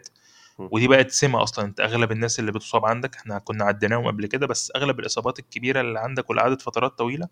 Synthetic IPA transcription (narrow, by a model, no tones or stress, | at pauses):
t̪ | wed̪iːbæʔæt̪semæʔɑ̰sˤlɑnʔent̪æʔæɣlæbenːæːselːiːbet̪o̥sˤɑːbʕand̪ækʔe̥ħnækonːæʕad̪ːenæːhomʔæblked̪æbæsːʔæɣlæbelʔesˤɑːbɑːt̪elkːebiːɾælːiːʕand̪ækwelʔʕaːd̪æt̪fɑt̪ˤɑɾˤɑːt̪ˤːɑwiːlæ